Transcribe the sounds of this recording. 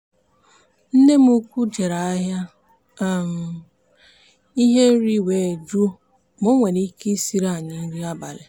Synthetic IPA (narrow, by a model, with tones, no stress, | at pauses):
n̩˦ne˦m˦u˦kʷu˦d͡ʒe˨ɾa˨a˦ɦja˦˨ | m̩˨ | i˦ɦe˦ɾi˦weː˨d͡ʒu˦ | mo˦ŋʷe˨ɾi˦ki˦si˦ɾa˦˨ɲɪ˨n̩˦ɾi˦a˦ba˨le˨